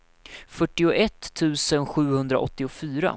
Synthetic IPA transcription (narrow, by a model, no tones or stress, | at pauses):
fœʈːɪʊʔɛt̪ʰːʉ̟ːsənɧʉ̟ːhɵnd̪ɾa̰ʔɔt̪ːɪʊfyːɾa̰